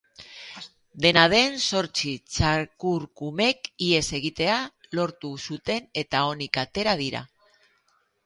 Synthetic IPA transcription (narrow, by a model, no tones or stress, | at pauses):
d̪e̞nað̞e̞nso̞ɾt͡ʃit͡ʃakuɾkume̞kie̞se̞ɣ̞it̪e̞alo̞ɾt̪usut̪e̞ne̞t̪ao̞nikat̪e̞ɾað̞iɾa̰